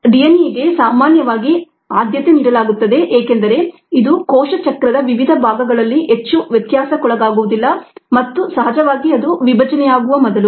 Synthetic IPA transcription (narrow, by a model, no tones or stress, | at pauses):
ɖijɐniɡe̞saːmaːnjɐʋaːɡi | aːd̪jɐt̪eniːɽɐlaːɡut̪ːɐd̪e̞ʔeːkend̪ɐɾe̞ | id̪ukɔːʃɐt͡ʃɐkɾɐd̪ɐʋiʋid̪ʱɐbʱaːɡɐɡɐɭɐlːiɦet͡ʃːuʋjɐt̪jaːsɐkɔɭɐɡaːɡuʋud̪ilːɐmɐt̪ːusɐɦɐd͡ʒɐʋaːɡiɐd̪uʋibʱɐd͡ʒɐnɛjaːɡuʋɐmɔd̪ɐlu